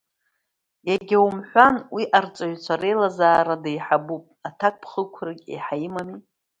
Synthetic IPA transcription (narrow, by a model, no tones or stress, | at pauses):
jaɡʲawumħʷanwiʔart͡sʼaɥʷt͡ʃʷʰaɾe̞jlazaːɾadajħabupʼatʰak̚ʷʼpʰχəkʷʰrakʲʼḛħajmami